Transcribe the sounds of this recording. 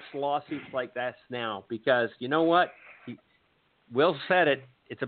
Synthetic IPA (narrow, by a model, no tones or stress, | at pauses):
slɔsʉtslaɪk̚ðætsnaʊb̥ɨkʰʌzjɨnoʊwʌt̚hi | wɪlˠsɛɾɪɾ̚ | ɨtsɨ